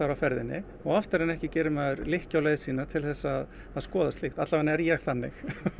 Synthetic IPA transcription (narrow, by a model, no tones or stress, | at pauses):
aɾawfɛɾðɪ̰nːɪ̰ | ɔɣaft̪ɪɾenɛhcɪcɛːɾʏmɛːðʏɾlɪhcawlejðɪsiːnat̪ʰɪlθɛsːaːðː | ðskɔːðast̪ɪxt̪at̪lavanɛɾjɛɣθanːɪ̰x